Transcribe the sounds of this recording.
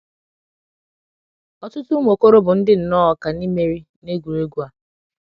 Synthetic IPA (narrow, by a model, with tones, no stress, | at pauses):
ɔ˦tʊ˦tʊ˦m˨o˨ko˦ɾo˦bʊ˨n̩˦dɪ˦n̩˨nɔ˦ɔ˨ka˨ni˦me˦ɾi˦ | ne˦ɡʷu˨ɾe˦ɡu˦a˨